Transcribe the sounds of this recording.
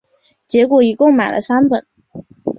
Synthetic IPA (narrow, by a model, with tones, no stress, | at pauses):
t͡ɕjɛ˧˥kwɔ˨˩i˨˩kʊ˥˩ŋma˨˩ɪlʔə̰˦sa˥npə˨˩˦